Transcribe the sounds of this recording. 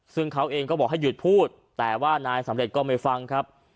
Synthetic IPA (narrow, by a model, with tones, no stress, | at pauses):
sɯ˥˩ŋkʰa˦˥wʔeː˧ŋkɔː˥˩ɔː˨˩k̚ha˥˩ju˨˩t̪̚pʰuː˥˩t̪̚ːɛː˨˩waː˥˩naː˧jsa˨˩˦mɾe˨˩t̪̚kɔː˥˩ma˥˩jfa˧ŋkʰa˦˥p̚